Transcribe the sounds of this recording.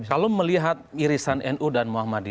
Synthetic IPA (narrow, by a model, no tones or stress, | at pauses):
kaloməliɦat̪̚iɾisanɛnʔudanmuahmadi